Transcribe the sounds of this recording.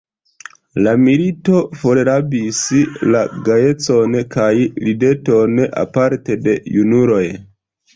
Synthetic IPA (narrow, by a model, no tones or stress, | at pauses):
lamilito̞fo̞ɾeɾabislaɡaje̞t͡so̞nkajlide̞to̞na̰paɾte̞de̞junuɾo̞j